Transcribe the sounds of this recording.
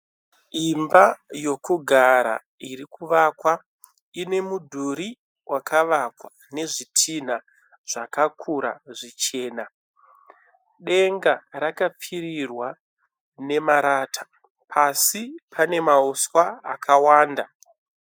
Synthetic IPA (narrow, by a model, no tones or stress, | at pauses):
imbajo̞kuɡʱaɾa̰ | iɾikuʋakwa | ine̞mudʱuɾi | wʔakʰaʋakwa | ne̞ʐitʰin̤a | ʐ̥akakʰuɾaʐit͡ʃe̞ːna | ɗe̞ŋɡaɾakap͡firirwa | ne̞maɾaːtḁ | pʰasipʰane̞mauswaakʰawaːnda